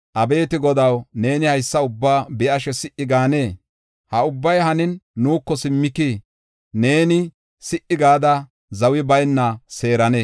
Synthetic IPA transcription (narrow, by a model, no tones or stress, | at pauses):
ʔɐbe̞ːt̪ɪɡɔd̪ɐwne̞ːnɪhɐjsːɐʊbːaːbɛʔɐʃɛsɪʔɪɡaːne̞ː | hɐʊbːɐjɦɐnɪnːuːkːɔsɪmːɪki | ne̞ːnɪ | sɪʔɪɡaːd̪ɐ | zɐwɪbɐjnːɐse̞ːɾɐne